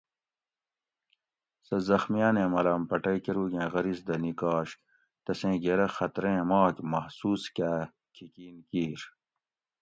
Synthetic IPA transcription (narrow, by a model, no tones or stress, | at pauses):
sɐzɐxmijaːnẽːmɐlɐːmpɐʈɐjkeɾuːɡẽːɣɐɾisd̪ɐnikɑːɕ | t̪ɐsẽːɡeɾɐxɐt̪ɾẽːmɑːkmɐhsuːskæː | kʰikiːnkiːɾ